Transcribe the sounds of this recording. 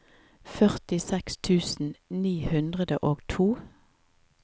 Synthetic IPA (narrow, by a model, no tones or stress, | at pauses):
fœʁt̪ɪsɛkst̪ʰʉːsn̩niːhʉnd̪ʁəd̪ə̰ʔoːɡt̪ʰuː